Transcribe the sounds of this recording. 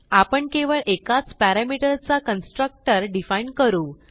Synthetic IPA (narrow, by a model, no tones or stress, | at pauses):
apəɳkeʋəɭʔekat͡spæɾamiʈəɾt͡sakənsʈɾək̚ʈəɾɖifainkəɾuː